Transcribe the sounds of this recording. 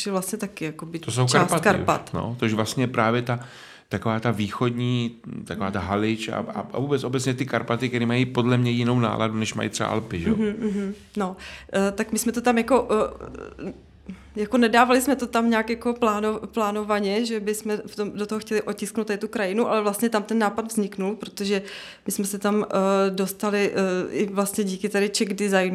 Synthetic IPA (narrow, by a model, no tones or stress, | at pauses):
ɛvlast̪ɲɛt̪akɪjakobɪt̪osowt͡ʃkaɾːsat̪kaɾpa̰t̪no̰t̪oʃvlast̪ɲɛjɛpɾaːvjɛt̪a | t̪ako̞vaːt̪aviːxo̞dɲiːt̪ako̞vaːt̪aɦalɪt͡ʃa̰a̰avuːbɛt͡sʔobɛt͡ssɲɛt̪ɪkaɾpat̪ɪkt̪ɛɾiːmajipo̞dlɛmɲɛjɪno̞wna̰ːlʔa̰dunɛʃma̰jḭt̪rɛba̰ʔa̰lpɪʒɛoɦ̩ɦm̩ | no̞t̪akmɪsmɛt̪ot̪amjako̞ʔ | jako̞nɛdaːvalɪsmɛt̪o̞t̪amɲaːkjako̞plaːnoplaːno̞vaɲɛʒɛbɪsmɛft̪o̞mdot̪oɦoxcɛlɪʔocɪsknowt̪adɪt̪ukɾajɪnuʔalɛvlast̪ɲɛt̪amt̪ɛnːaːpad̪vzɲɪknulpɾo̞t̪oʒɛ | mɪsmɛsɛt̪amdo̞st̪alɪʔɪ̰vlast̪ɲɛɟiːkɪt̪adɪt͡ʃɛɡdɪzajnu